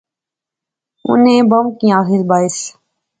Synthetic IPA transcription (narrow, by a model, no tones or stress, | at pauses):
ʊ̰nẽbɐmkĩjãːɦɪlbaːɪs